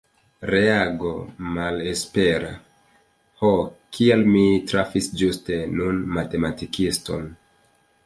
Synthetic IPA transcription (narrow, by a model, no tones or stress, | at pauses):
ɾe̞aɡo̞male̞spe̞ɾa̰ | hokʰialmitɾafisd͡ʒuste̞nunmate̞matikisto̞̰n